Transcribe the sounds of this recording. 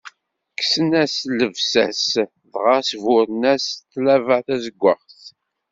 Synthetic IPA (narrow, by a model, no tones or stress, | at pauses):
kːsənæsləvsæ̰s | ðʁasvʊɾnæsθlævəʕθæzəɡʷəχθ